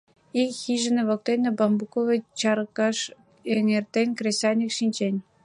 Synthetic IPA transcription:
ikxiʒɘ̆nĕβok̚t̪enʲĕbɑmbukovet͡ɕɑɾkɑʃ | eŋert̪enʲkrʲesʲɑnʲikʃinʲt͡ɕenʲ

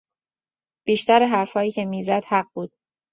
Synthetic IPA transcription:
b̥iːʃt̪æɾeɦæɾfhɒːjiːcʰe̞miːzæd̪̥hæɢbuːd̪̥

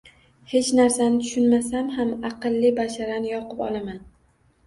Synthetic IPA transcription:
he̞t͡ʃnaɾsanɪt̪ʰʊ̥ʃʊnmasamhamɑqɨlˠːibaʃaɾanɪjɒqɨpɒ̰lˠaman

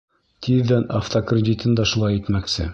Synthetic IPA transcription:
t̪ʰiðːænaft̪okrʲɪd̪ʲit̪ɤnd̪ɑʃulˠɑjit̪mæksɘ̰

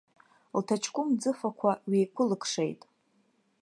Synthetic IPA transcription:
ltʰat͡ʃʰkʷʼʊmd͡zɨfakʷʰaɥiːkʷʰʊlɨkʰʂejtʼ

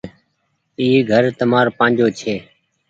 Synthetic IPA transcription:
iːɡʱəɾt̪əmaːɾpãːnd͡ʒoːt͡ʃʰeː

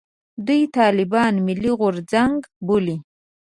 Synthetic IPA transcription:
d̪ujt̪ɑlɪbɑnmɪlːiɣʊɾzaŋɡboli

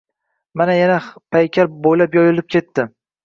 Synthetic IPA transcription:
manajanapʰajkʲʰaɾbojlapjɒjɪlɪp̚kʲʰe̞t̪ːɪ

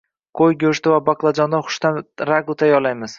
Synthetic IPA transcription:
qʰojɡʲɵʃt̪ɪvabaqlˠad͡ʒɒnd̪aχʊ̥ʃt̪anɾaɡʊt̪ʰajɒlajmɪz̥

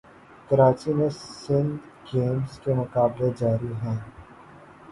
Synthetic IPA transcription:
kɐɾaːt͡ʃimẽsɪ̃nd̪ | ɡeːmskemʊkaːbled͡ʒaːɾiɦɛ̃ː

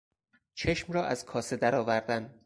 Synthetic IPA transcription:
t͡ʃʰeʃmɾɒːʔæz̥kʰɒːse̞d̪æɾɒːvæɾd̪æn

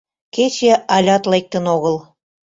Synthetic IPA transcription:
ket͡ɕeɑlʲɑt̪lek̚t̪ə̆noɣəlˠ

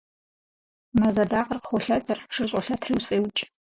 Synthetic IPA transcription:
mɐzɐdaːqərqχʷɔɬɐtʰɐrʂɨrɕʷʼɔɬɐtʰriːwsqʼeːwt͡ʃʼ

